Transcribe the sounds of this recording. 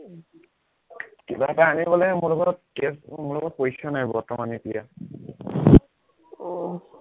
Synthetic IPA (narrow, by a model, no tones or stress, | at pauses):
kibaɛtaɦanibɔlɛmulɔɡɔt̚kesmʊlɔɡɔt̚pojsanajbɔtɔmanitija̰